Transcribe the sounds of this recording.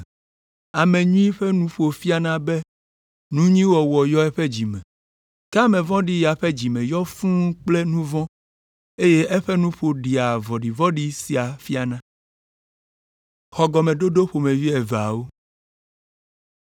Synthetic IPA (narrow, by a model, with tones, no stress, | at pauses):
a˨mẽ˨ɲũ˦ĩ˦ɸɛ˦nũ˦ɸo˨fi˦a˦nã˦bɛ˦ | nũ˦ɲĩ˦wɔ˨wɔ˨jɔ˦ɛ˦ɸe˦d͡ʑi˨mɛ̃˨ | ka˦mɛ̃˨vɔ̃˦ɖi˦ja˨ɸɛ˦d͡ʑi˨mɛ̃˨jɔ˦fũ˦k͡plɛ˦nũ˦vɔ̃˦ | e˦je˦ʔɛ˦ɸɛ˦nũ˦ɸo˨ɖi˨a˨vɔ˨ɖi˨vɔ̃˦ɖi˦si˨a˨fi˦a˨nã˦ | xɔ˨ɡɔ˨mẽ˨ɖo˦ɖo˦ɸo˨mẽ˨vi˦ɛ˨va̰˨wo˦